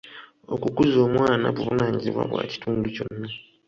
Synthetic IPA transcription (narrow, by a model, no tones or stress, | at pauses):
okukuzo̞ːmwaːnaβuβunaːɲiziβwa̰βwa̰ːci̥tʰuːnduconːa